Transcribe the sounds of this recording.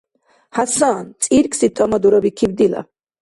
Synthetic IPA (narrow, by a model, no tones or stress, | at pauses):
hasaːnt̪sʼiɾkʰʼsit̪ʼɔmɔd̪uɾɔbikʰivd̪ila̰